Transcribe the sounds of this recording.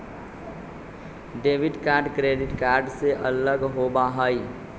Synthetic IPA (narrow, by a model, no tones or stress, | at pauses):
ɖeːʋɪɖkaːɾɖkɾeːɖɪʈkaːɾɖseʔələɡɦobaɦaːi